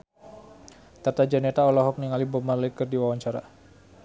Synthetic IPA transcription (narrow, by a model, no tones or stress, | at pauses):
t̪art̪ad͡ʒanɛt̪aɔlɔɦɔk̚niŋalibɔmarlekərdiwawaɲt͡ʃaɾa